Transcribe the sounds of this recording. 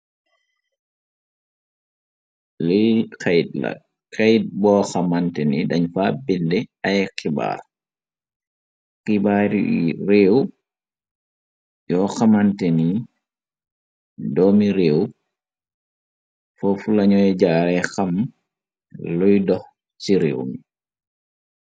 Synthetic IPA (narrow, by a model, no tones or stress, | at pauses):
lɔkajtla̰ | kajt̚bɔxamantɛnidaɲfabindɛajɛkiba̰ɾ | kibaɾiɾew | jɔxamantɛni | dɔmiɾew | fɔfulaɲɔjɛd͡ʒaɾɛxam | lɔjdɔh | siɾḛwmi